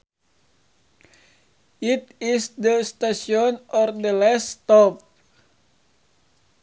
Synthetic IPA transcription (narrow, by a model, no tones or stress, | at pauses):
it̪isd̪əst̪asiɔnɔrdəlɛst̪ɔp̚